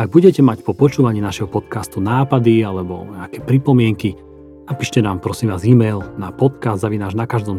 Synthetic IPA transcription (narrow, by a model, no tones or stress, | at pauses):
aɡ̚buɟɛcɛmacpɔpɔt͡ʃuːʋaɲiːnaʃɛɦɔpɔt̪kast̪unaːpad̪ialɛbɔ̰ɲɛakɛːpɾipɔmɪɛŋki | napiːʃcɛnaːmpɾɔsimʋaːziːmɛjlnapɔt̪kazd̪zaʋinaːʒnakaʒd̪ɔm